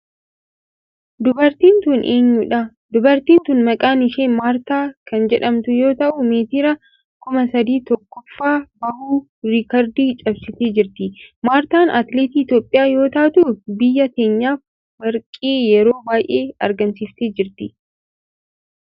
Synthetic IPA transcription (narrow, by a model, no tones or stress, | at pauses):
d̪ʊbɐɾt̪iːnt̪uːnʔe̞ːɲːʊᶑɐ | d̪ʊbɐɾt̪iːnt̪uːnmɐkʼaːnɪʃeːnmaːɾt̪aːkɐnd͡ʒɛᶑɐmt̪ʊjo̞ːt̪ɐʔʊmeːt̪ɪɾɐ | kʊmɐsɐd̪iːt̪ɔkːɔfːaːbɐhuː | ɾɪkɐɾd̪iːt͡ʃʼɐbsɪt̪e̞ːd͡ʒɪɾt̪ɪmaːɾt̪aːnʔɐt̪leːt̪iːɪt̪jo̞ːpʼːɪjaːjo̞ːt̪ɐːt̪uːfbɪjːɐke̞ːɲːaːf | wɐɾkʼeːjɛɾo̞ːbaːjʔe̞ːɐ̰ɾɡɐnsift̪eːd͡ʒɪɾt̪ɪ